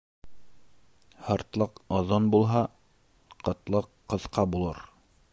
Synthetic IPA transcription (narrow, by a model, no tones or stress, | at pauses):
hɤ̆ɾt̪lˠɤqɒðonbulˠɦɑ | qɤ̆t̪lˠɤqːɤ̆ðqɑbulˠɤɾ